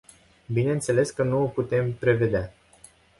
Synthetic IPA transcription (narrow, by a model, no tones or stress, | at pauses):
bine̞nt̪se̞le̞skənuoput̪e̞mpɾe̞ve̞d̪ea